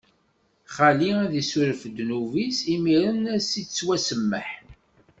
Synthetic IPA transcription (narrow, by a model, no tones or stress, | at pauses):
χaliæðisuɾəfd̪nuvisimiɾənæsit͡sːwæsəmːəħ